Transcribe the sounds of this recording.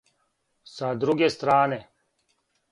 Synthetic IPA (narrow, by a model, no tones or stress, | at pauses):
sad̪ɾuɡest̪ɾaːne